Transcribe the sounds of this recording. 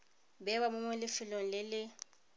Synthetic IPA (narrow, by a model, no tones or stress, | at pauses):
bɛwamʊŋwɛlɪfɪloŋ̩lɪlɪ